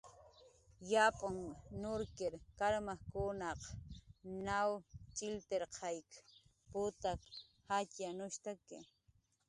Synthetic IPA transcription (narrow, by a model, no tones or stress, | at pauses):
japʼaŋnʊɾkɪɾkaɾmakʊnɑq | nawt͡ʃʼɪlt̪eɾqʰɑjk | pʊt̪ak | hat͡ʃjanʊʃt̪akɪ̰